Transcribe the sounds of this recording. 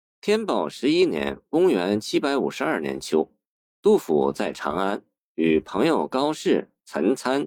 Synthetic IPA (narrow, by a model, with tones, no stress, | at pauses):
t̪ʰjɛ˥npɑ˨˩ʊʂɻ̩˧˥i˥njɛ̰˧˥nkʊ˥ŋɥɛ˧˥nt͡ɕʰi˥pa˧˥ɪu˨˩ʂɻ̩˧˥ɐ˞˥˩njɛ̰˧˥nt͡ɕʰjo˥ʊ | t̪u˥˩fṵ˨˩t͡sa˥˩ɪʈ͡ʂʰɑ̰˧˥ŋa˥n | y˨˩pʰɤ˧˥ŋjo˥˨˩ʊkɑ˥ʊʂɻ̩˥˩ | t͡sʰə˧˥nt͡sʰa˥n